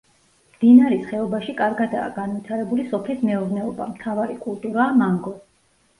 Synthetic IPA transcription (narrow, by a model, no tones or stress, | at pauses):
md̪̥inaɾisχɛɔbaʃikʼaɾɡad̪a̰ːɡanvit̪ʰaɾɛbulisɔpʰlismɛuɾnɛɔba̰mt̪ʰavaɾikʼulˠt̪ʼuɾamaŋɡɔ